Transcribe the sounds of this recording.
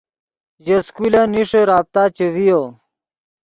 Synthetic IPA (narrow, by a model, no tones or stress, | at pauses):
ʑɐskulaniʂeɾaːb̚t̪aːt͡ɕewijo